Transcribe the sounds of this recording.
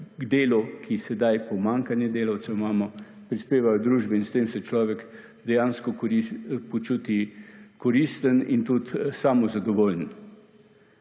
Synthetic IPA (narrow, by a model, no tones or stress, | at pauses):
d̪eːlɔkʰisɛd̪ajpɔmaːŋkanjɛd̪eːlawt̪sɛmaːmɔ | pɾispeːʋajɔd̪ɾuːʒbɛinst̪eːmsɛt͡ʃlɔːʋɛk | d̪ɛjaːnskɔipɔt͡ʃuːt̪ikɔɾist̪ənint̪ut̪saːmɔzad̪ɔʋoːln